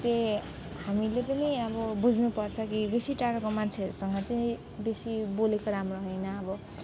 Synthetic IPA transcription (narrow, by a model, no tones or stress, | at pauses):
t̪e | hamilepʌniʌbʌbud͡zʱnupʌrt͡sʰʌkibesiʈaɾʌkomant͡sʰeʌɾusʌŋɡʌt͡sʌĩ | besibolekoɾamroɦoʌjnʌːbʌ